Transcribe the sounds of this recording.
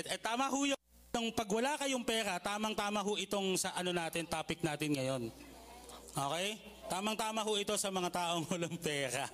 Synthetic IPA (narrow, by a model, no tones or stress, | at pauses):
ɛt̪aːmɐɦʊjo | nɐŋpɐɡwɐlaːkɐjʊŋpɛːɾɐt̪aːmɐŋt̪aːmɐɦʊʔɪt̪o̞ŋsɐʔɐno̞naːt̪ɪnt̪aːpɪk̚naːt̪ɪnŋɐjo̞n | ʔo̞ːkɛj | t̪aːmɐŋt̪aːmɐɦʊʔɪt̪o̞sɐmɐŋat̪aːʔo̞ŋwɐlɐŋpɛːɾɐ